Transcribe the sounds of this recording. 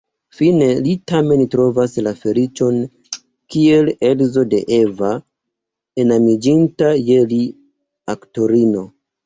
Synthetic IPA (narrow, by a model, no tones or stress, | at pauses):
fine̞litame̞ntɾo̞vaslafe̞lit͡ʃo̞n | kie̞le̞lzo̞de̞̰ʔeva | enamid͡ʒintaje̞li | akto̞ɾino̞